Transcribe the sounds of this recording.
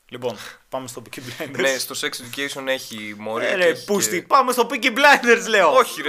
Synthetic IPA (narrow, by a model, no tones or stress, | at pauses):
lipo̞npɐmest̪o̞piciblɐjnd̪eɾnest̪o̞seksed̪ukejsione̞çimoɾieɾepust̪ipɐmest̪o̞piciblɐjnd̪eɾzleooçiɾ